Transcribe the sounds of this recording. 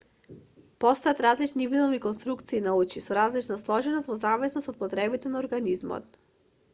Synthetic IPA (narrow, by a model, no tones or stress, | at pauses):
pɔst̪ɔjat̪ɾazlit͡ʃnivid̪ɔmikɔnst̪ɾukt̪siːnaut͡ʃisɔɾazlit͡ʃnaslˠɔʒɛnɔst̪vɔzamvɛsnosɔt̪̚pɔt̪ɾɛbit̪ɛnaɔɾɡanizmɔ̰t̪